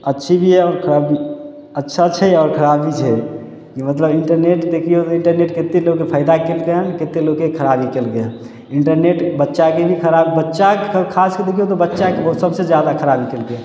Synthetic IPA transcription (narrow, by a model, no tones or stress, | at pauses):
ətːʃʰibʱiɦɛɔːɾkʰəɾabi | ətːʃʰat͡ʃʰɛɔːɾkʰəɾabit͡ʃʰɛ | kimət̪ləbiɳʈəɾneʈd̪ekʰijot̪ɔiɳʈəɾneʈket̪ːeloɡkepʰəɪd̪akelkeɦənket̪ːeloɡkekʰəɾabikelkeɦə | iɳʈəɾneʈbətːʃakebʱikʰəɾabbətːʃakʰasked̪ekʰijot̪ɔbətːʃakeboɦut̪səbsed͡ʒjad̪akʰəɾabikelke